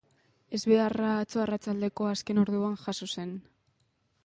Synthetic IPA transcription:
e̞zβe̞arat͡soarat͡sald̪e̞ko̞aske̞no̞ɾðuanʝaso̞se̞n

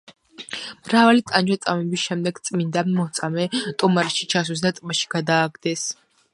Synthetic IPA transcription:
mɾavalit̪ʼand͡ʒat̪sʼamɛbisʃɛmd̪ɛɡt̪sʼmind̪anmɔt̪sʼamɛt̪ʼumaɾɛʃit͡ʃʰas̬wis̬d̪at̪ʼmaʃi̥ɡad̪aːɡd̪ɛs

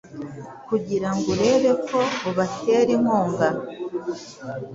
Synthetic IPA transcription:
kuɟiɾaŋɡuɾe̞ːβe̞kʰo̞oβate̞ːɾimoːŋɡa

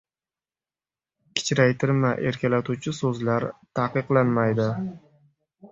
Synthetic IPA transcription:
kʲʰɪ̥t͡ʃʰɾajt̪ʰɪɾmaʔe̞ɾkʲʰalat̪ʰut͡ʃʰɪsɵzlaɾt̪ʰaqɨqlˠanmajd̪ɪ

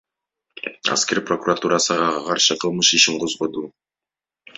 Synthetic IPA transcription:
a̰skʲe̞ɾprokurat̪uɾasɨʁɑqʰɑɾʃɯqʰɯlˠmɯʃiʃiɴqʰo̞zʁo̞d̪uː

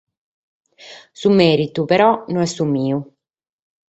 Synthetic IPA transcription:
sumɛːɾit̪upeɾɔnonɛsumiːu

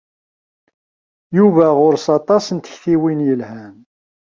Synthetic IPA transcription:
juvæʁʊɾsɑt̪ˤɑsənt̪ə̥çθiwinjəlhæn

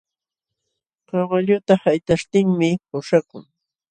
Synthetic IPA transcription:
kɑɢɑʎʊt̪ahajt̪aʃt̪ɪŋmɪpʊʃakʊŋ

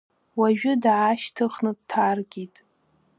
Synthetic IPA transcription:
waʒᶣʊdʕaʃtʰɨχnɨd̚tʰarɡʲitʼ

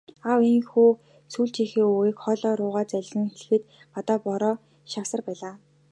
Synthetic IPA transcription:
awiŋxuː | suːɮt͡ɕixeːuɣeːkχɔɮɔːɾʊːʁaːt͡sæɮ̆ʲsĭŋxeɮ̆xɘ̆t̪ | pat̪aːpɔɾɔː | ʃaksə̆rpæːɮaː

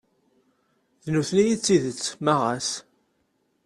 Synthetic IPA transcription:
ðnuθnijit͡sːiðət͡sːmaʁæs

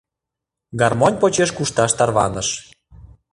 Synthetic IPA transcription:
ɡɑrmonʲpot͡ɕeʃkuʃt̪ɑʃt̪ɑrβɑ̰nəʃ

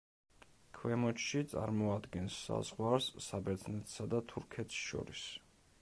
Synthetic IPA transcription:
kʰwɛmɔt͡ʃʃit̪sʼa̰ɾmɔad̪ɡɛnsːa̰z̥ʁwaɾsːabɛɾd̪znɛt̪ʰsad̪at̪ʰuɾkʰɛt̪ʰsʃɔ̰ɾis

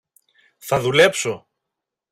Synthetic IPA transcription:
θɐðule̞pso̞

